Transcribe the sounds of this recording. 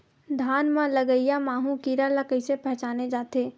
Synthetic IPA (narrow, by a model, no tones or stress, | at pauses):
d̪ʱaːnmãləɡəijamaːɦũkiːɾalɐkəɪsepɛt͡ʃaːned͡ʒaːt̪eː